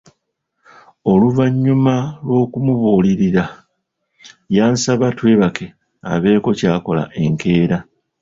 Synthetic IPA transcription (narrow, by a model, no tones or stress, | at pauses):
o̞luvaɲːumalwo̞ːkumuβoːliɾiɾa | jaːnsaβatwe̞ːβake̞ | a̰βe̞ːko̞caːko̞la̰ʔe̞ŋke̞ːɾa